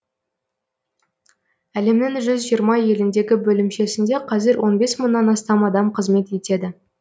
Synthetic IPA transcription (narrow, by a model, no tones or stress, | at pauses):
æle̞mnɪŋʒʏzʒijəɾmɑje̞lɪnd̪e̞ɡʲɪbɵlɪmʃe̞sɪnd̪e̞qʰɑzɪɾwʔo̞nbe̞sməɴnːɑnɑst̪ɑmɑd̪ɑmqʰəzme̞t̪e̞t̪e̞d̪ɪ